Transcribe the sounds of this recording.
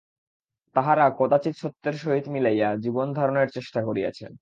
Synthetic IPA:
t̪aɦaɾakod̪at͡ɕit̪ʃot̪ːeɾʃoɦit̪milejad͡ʑibond̪ʱaɾoneɾt͡ɕeʃʈakoɾia̰t͡ɕʰḛn

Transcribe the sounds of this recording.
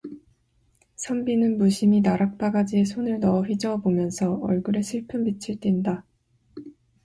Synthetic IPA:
sʰʌmbinɯnmuɕʰiminaɾak̚p͈aɡad͡ʑiesʰonɯɭnʌɸid͡ʑʌbomjʌnsʰʌʌ̰ɭɡɯɾe̞sʰɯɭpʰɯmbit͡ɕʰɯɭt͈inda

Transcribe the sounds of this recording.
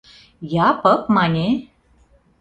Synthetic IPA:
japəpmanʲe

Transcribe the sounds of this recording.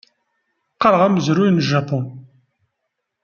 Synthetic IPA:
qɑɾʁæməzɾujnəʒapɔn

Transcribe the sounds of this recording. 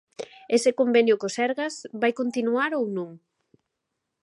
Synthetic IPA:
esɪkombenjʊkosɛɾɣazβajkont̪inuaɾownõŋ

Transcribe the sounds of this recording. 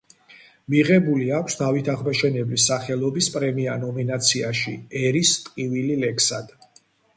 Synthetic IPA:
miʁɛbuliakʷʰsd̪avit̪ʰaʁmaʃɛnɛblisːaχɛlˠɔbispʼɾɛmianɔminat̪sʰiaʃḭɛɾist̪ʼqʼivililɛkʰsad̪̥

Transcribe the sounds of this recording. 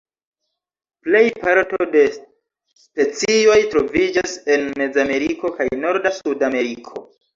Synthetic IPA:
ple̞jpaɾtode̞ | spe̞t͡sio̞jtɾo̞vid͡ʒase̞nme̞d͡zame̞ɾiko̞ka̰jno̞ɾdasudame̞ɾikʰo̞

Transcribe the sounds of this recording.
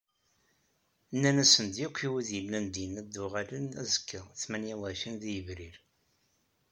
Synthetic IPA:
nːænæsənd̪jukʷʰːiwiðjəlːænd̪inæd̪ːʊʁalənæ̰zə̥kʰːəʁθmænjæwæfinðijəvɾiɾ

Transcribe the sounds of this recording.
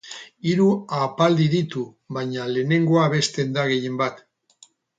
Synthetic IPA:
iɾuapald̪iðit̪u | βajɲale̞ːne̞ŋɡo̞aβe̞st̪e̞nd̪aɣe̞je̞mbat̪

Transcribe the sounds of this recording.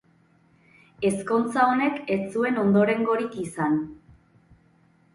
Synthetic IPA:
e̞sko̞nt͡sao̞ne̞ke̞t͡sue̞no̞nd̪o̞ɾe̞ŋɡo̞ɾikisan

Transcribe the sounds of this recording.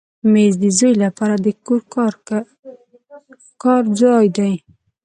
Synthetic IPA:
mezd̪əzojlapɑɾad̪əkoɾ | kɑɾd͡ʒɑjd̪aj

